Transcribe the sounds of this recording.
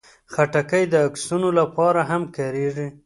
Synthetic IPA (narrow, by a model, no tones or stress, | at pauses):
xaʈakəjd̪əːksunolapɑɾaɦamkaɾeʐi